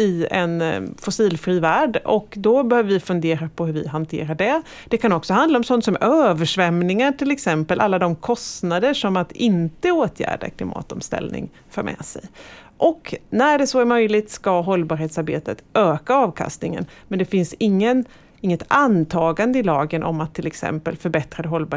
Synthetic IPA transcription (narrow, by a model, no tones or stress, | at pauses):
ɪɛ̰nfʊsiːlfɾiːvæːɖɔ̰kd̪ɔbɛhøːvəɾvɪfɵnd̪eːɾapʰɔɦɵɾvɪ̰ɦant̪ʰḛːɾaɖɛ | d̪̥ɛkʰanɔksɔɦand̪laɔmsɔnt̪sɔmøːvəʂvɛmnɪŋaʈɪlɛksɛmpəlʔa̰lːad̪ɔmkʰɔst̪nad̪əʂɔmat̪ɪnt̪əoːt̪ʰjæ̰ːɖa̰kʰlɪmʔɑ̰ːt̪ɔmst̪ɛ̰lnɪ̰ŋ | fœːɾmʔɛ̰sɛ̰jʔɔknæɖɛsɔæɾmœjlɪt̪skaɦɔlːbɑːɾheːt̪saɾbḛːt̪ət̪ʔøːkaɑːvkʰa̰st̪nɪŋə̰nmɛnd̪ɛfɪnsɪŋːən | ɪŋːət̪ant̪ʰɑːɡand̪əɪlɑːɡənʔɔ̰mat̪ʰːɪlɛksɛ̰mpəlfœɾbɛt̪ɾad̪ɛɦɔlːbɑː